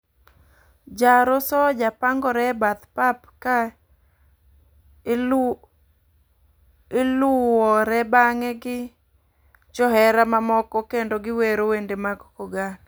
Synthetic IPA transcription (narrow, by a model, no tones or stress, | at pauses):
d͡ʒaɾɔsɔd͡ʒapaŋɡɔɾɛbat̪papka | ɪlʊwɔɾɛbaŋɛɡɪ | t͡ʃɔɦɛɾamamɔkɔkendoɡɪweɾowendemaɡɔkoɡan